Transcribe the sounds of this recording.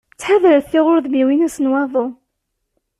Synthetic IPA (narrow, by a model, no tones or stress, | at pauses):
t͡sːħaðɾəθθɪʁʊɾðmiwinæsənwɑðˤo